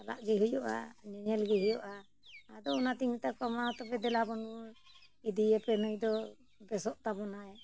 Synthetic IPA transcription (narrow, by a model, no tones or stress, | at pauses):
ala̰ʔɡɛɦujɔʔa̰ɲɛɲɛlɡɛɦujɔʔaː | d̪ɔɔnat̪iŋt̪akɔmaɔt̪ɔpɛd̪ɛlabɔnbɔ | id̪iɛpɛnujd̪ɔ | bɛsɔʔt̪abɔnaj